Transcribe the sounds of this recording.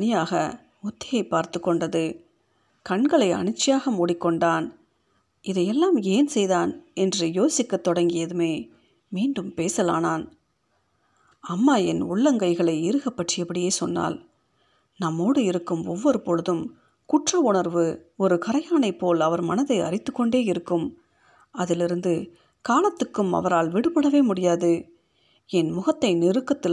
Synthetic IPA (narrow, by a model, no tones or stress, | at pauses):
nɪjaːɣɐ | ɔt̪ːɪjɐɪpːaːɾt̪ɯkːɔɳɖɐðɯ | kɐɳɡɐɭɐɪɐ̰ɳɪt͡ʃːɪjaːɣɐmʊɽɪkːɔɳɖaːn | ʔɪðɐɪjɛlːaːmeːnsɛjðaːnɛndrɯjoːsɪkːɐt̪ːɔɽɐŋɡɪjɐðɯmeː | miːɳɖɯmpeːsɐlaːnaːn | ɐmːaːɛnʊɭːɐŋɡɐɪɣɐɭɐɪɪɾɯɣɐpːɐʈrɪjɐpːɐɽɪjeːsɔnːa̰ːl | nɐmːoːɽɯɪɾɯkːɯmɔʋːɔɾɯpɔɻɯðɯm | kʊʈrɐʊɳɐɾʋɯɔɾɯkɐɾɐjaːnɐɪpːoːlɐʋɐɾmɐnɐðɐɪʔɐ̰rɪt̪ːɯkːɔɳɖeːɪɾɯkːɯm | ɐðɪlɪɾɯnd̪ɯ | kaːlɐt̪ːɯkːɯmɐ̰ʋɐɾaːlʋɪɽɯpɐɽɐʋeːmʊɽɪjaːðɯ | ɛnmʊɣɐt̪ːɐɪnɪɾɯkːɐt̪ːɪ